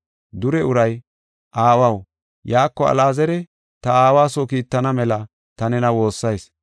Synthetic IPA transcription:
d̪ʊɾɛʊɾɐj | ʔaːwɐw | jaːkːɔɐ̰laːzɛɾɛ | t̪ɐaːwaːsɔkiːt̪ːɐnɐmɛlɐ | t̪ɐnɛnɐwo̞ːsːɐjs

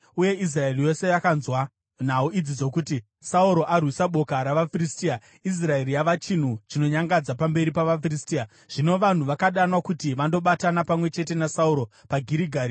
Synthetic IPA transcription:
uje̞ʔis̬rae̞rijo̞se̞jakanzwa | n̤auid͡zid͡zo̞kuti | sauɾo̞ʔarwisaɓo̞kaɾaʋafiristiːa | is̬rae̞rijaʋat͡ʃin̤ut͡ʃino̞ɲaŋɡad͡zapambe̞ɾipaʋafiristia | ʐ̥ino̞ʋan̤uʋakaɗanwakutiʋando̞ɓatanapamwe̞t͡ʃe̞te̞nasauɾo̞paɡʱiɾiɡʱaːɾi

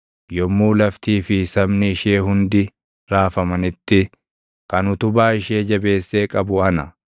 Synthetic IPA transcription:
jɔmːuːlɐft̪iːfɪsɐbnɪːʃe̞ːɦʊnd̪ɪ | ɾaːfɐmɐnɪt̪ːɪ | kɐnʊt̪ʊbaːɪʃeːd͡ʒɐbe̞ːsːe̞ːkʼɐbʊɐnɐ

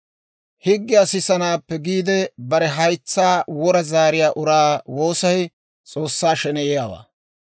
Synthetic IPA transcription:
hɪɡːɪɐsɪsɐnaːpːɛɡiːd̪ɛbɐɾɛɦɐjt͡sːaːwɔɾɐzaːɾɪjaːʔʊɾaːwo̞ːsɐj | t͡sʼo̞ːsːaːʃɛnɛjɛjaːwa̰ː

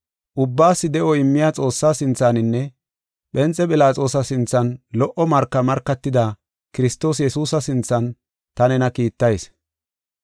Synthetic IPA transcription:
ʔʊbːaːsːɪd̪ɛʔɔɪmːɪjaːt͡sʼo̞ːsːaːsɪnt͡sːanɪnːɛ | ɓɛnt͡sʼːɛpɪlaːt͡sʼo̞ːsɐsɪnt͡sːɐnlɔʔɔmɐɾkːɐmɐɾkːɐt̪ːɪd̪ɐ | kɪɾɪst̪ːo̞ːs̬jɛsuːsɐsɪnt͡sːɐn | t̪ɐnɛnɐkiːt̪ːɐjs

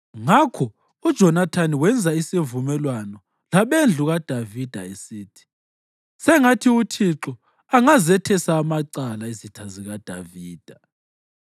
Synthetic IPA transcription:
ŋakʰɔ | ud̥ʒ̥ʱɔnatʰaniwɛnd͡zʱaisivumɛlwanɔ | laβend͡ɮʱuɣad̥ʱavid̥ʱaesiːtʰi̥ | sɛŋatʰiutʰiǁɔ | aŋazɛtʰɛsaːmaǀalaizitʰaziɣad̥ʱaviːd̥ʱa

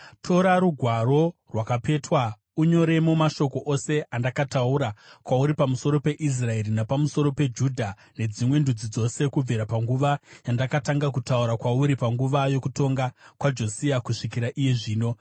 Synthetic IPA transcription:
tʰo̞ɾaɾuɡʱwaɾo̞rwakape̞twa | uɲo̞ɾe̞mo̞maʃo̞ko̞ʔose̞ʔandakatauɾakwauɾipamuso̞ɾo̞pe̞ʔis̬rae̞ɾinapamuso̞ɾo̞pe̞d͡ʒudʱa | ne̞d͡zimwe̞ndud͡zid͡zo̞se̞kub͡vʱeɾapaŋɡuʋajandakataŋɡak̬utauɾakwauɾipaŋɡuʋajo̞kuto̞ŋɡakwad͡ʒo̞siakuʂikiɾaʔijeʐiːno̞

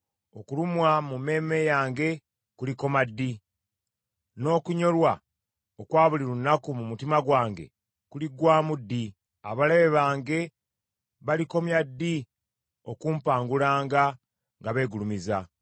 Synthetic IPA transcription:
o̞kulumwamume̞ːme̞jaːŋɡe̞ | kuliko̞madːi | no̞ːkuɲo̞lwa | okwaːβuliɾunːakumumutimaɡwaːŋɡe̞̰ | kuliɡwaːmudːi | a̰βaleβe̞βaːŋɡe̞ | βaliko̞mjadːi | o̞kumpaːŋɡulaːŋɡa | ŋɡaβe̞ːɡulumiza

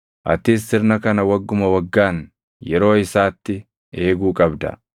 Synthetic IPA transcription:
ʔɐ̰t̪iːsːɪɾnɐkɐnɐwɐɡːʊmɐwɐɡːaːn | jɛɾo̞ːɪsaːt̪ːɪ | e̞ːɡuːkʼɐbd̪ɐ̰

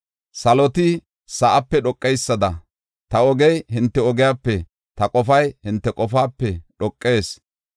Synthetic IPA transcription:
sɐlɔt̪ɪ | sɐʔɐpːɛɗɔkʼːɛjsːɐd̪ɐ | t̪ɐɔɡɛjhɪnt̪ːɛɔɡɪjaːpːɛ | t̪ɐkʼɔfɐjhɪnt̪ːɛkʼɔfaːpːɛɗɔkʼːe̞ːs

